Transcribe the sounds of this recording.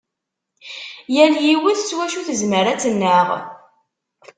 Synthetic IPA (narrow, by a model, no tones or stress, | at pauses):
jæljiwəθt͡sːwæʃuθəzməɾæt͡sːənːəʁ